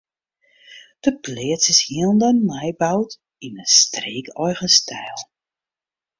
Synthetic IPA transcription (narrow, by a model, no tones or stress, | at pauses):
d̥əpleːsəshiəlˠndənmɛjbawt | inəstreːkɔjɣənstʰɛjlˠ